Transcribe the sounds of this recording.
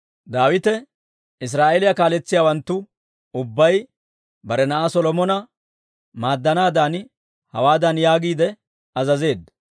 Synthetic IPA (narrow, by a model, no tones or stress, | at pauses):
d̪aːwɪt̪ɛ | ɪs̬ɾaːʔelɪjakaːlɛt͡sːɪjaːwɐnt̪ːʊ | ʊbːɐj | bɐɾɛnɐʔasɔlɔmɔnɐ | maːd̪ːɐnaːd̪aːn | hɐ̰waːd̪ɐnjaːɡiːd̪ɛ | ɐzɐze̞ːd̪ɐ